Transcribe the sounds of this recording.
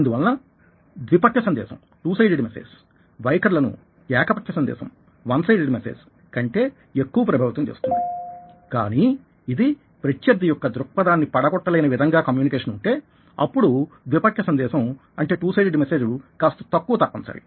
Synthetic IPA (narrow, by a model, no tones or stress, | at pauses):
ɐnd̪uʋɐlːɐ | d̪ʋipɐkʂɐsɐnd̪ɛ̰ːsɐ̰m | ʈuːsɐjɖeɖimesḛːd͡ʒ | ʋɐjkɐɾlɐnṵ | ɛːkɐpɐkʰjɐsɐnd̪ɛ̰ːsɐ̰m | ʋɐnsɐjɖeɖimesḛːd͡ʒ | kɐɳʈe̞ː | ekːuʋɐpɾɐbʱaːʋit̪ɐmt͡ʃe̞̰ːst̪ṵnd̪ika̰ːni | id̪i | pɾɐt͡ʃjɐɾd̪ijɔkːɐd̪ɾuk̚pɐd̪aːnːipɐɽɐɡɔʈːɐlɐjnɐʋid̪ʱɐŋɡaːkɐmjuːnikeːʂɐnuɳʈe̞ː | ɐ̰pːuɽud̪ʋipɐkʰjɐsɐnd̪ɛːʃɐm | ɐɳʈe̞ːʈuːsɐjɖeɖimese̞ːd͡ʒulukaːst̪ɐ̥t̪ɐkːuʋɐt̪ɐpːɐnt͡ʃa̰ːɽi